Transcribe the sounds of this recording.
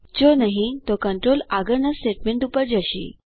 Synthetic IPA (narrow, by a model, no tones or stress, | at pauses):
d͡ʑonaɦĩt̪ɔkəɳʈɾolaɡəɾnasʈeʈmeɳʈupəɾd͡ʑaɕḭː